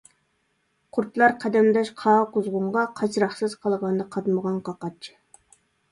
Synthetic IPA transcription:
qʰʊɾt̪ʰlˠɑɾqʰɑd̪ɛmd̪ɑʃqʰɑːqʊzʁʊɴʁɑqʰɑt͡ʃʰɾɑχsɨz̥qʰɑlˠʁɑnd̪ɑqʰɑt̪məʁɑnqɑqɑt͡ʃʰɪ̥

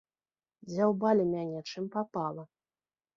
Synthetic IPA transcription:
d͡zʲawbalʲimʲanʲɛt͡ʂɨmpapalˠɐ

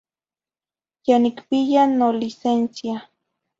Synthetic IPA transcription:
janikpijanolisensja

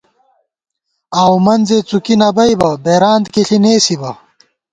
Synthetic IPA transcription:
aːwmɐnzet͡sukinɐbɐjbɐbeːɾaːnd̪kiɬineːsibɐ

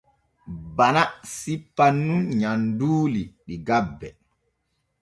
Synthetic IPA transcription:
banasipːanːunɲanduːliɗiɡabːɛ

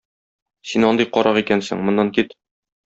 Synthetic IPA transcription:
sinɒnd̪ɤjqɒɾʔɑʁikænsɘ̰̆ŋmŏnːɑŋkit̪

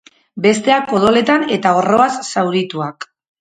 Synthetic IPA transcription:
be̞st̪e̞akpo̞ð̞o̞le̞t̪ane̞t̪ao̞ro̞asːawɾit̪uak

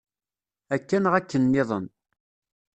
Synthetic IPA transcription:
ækːænʁækːənːɪðˤən

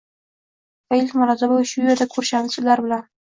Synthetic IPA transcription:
fejlʲt̪mʊɾɑzabolʃʊjeɾd̪akʰɵɾʃanɪsɪzlaɾbɪlan

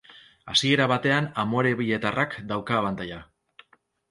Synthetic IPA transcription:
asie̞ɾaβat̪e̞anamo̞ɾe̞βiʎe̞t̪arʔakd̪awkaːβant̪aja

